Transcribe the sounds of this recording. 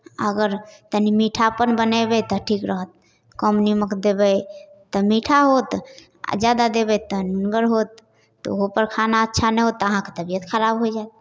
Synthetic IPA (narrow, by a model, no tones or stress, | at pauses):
ə̰ɡəɾt̪ənimiʈʰapənbənəbɛt̪ɔʈʰikɾəɦət̪̚ | kɔmniməkd̪ebəjt̪ɔmiʈʰaɦot̪ | d͡ʒad̪ad̪ebɛt̪ɔnuŋɡəɾɦot̪ː | ɔ̰oɦopəɾkʰanaətːʃʰanɛɦot̪ːɔəɦãke̥t̪əbijət̪xəɾabɦojd͡ʒaet̪̚